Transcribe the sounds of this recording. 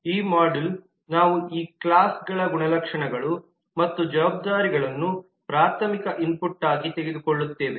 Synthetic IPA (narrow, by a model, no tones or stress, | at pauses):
iːmaːɖil | naːʋuiːkɭaːsɡɐɭɐɡuɳɐlɐkʂɐɳɐɡɐɭu | mɐt̪ːud͡ʒɐʋaːb̚d̪aːɾiɡɐɭɐnːu | pɾaːt̪ʰɐmikɐʔimpuʈːaːɡit̪eɡed̪ukɔɭːut̪ːe̞ːʋe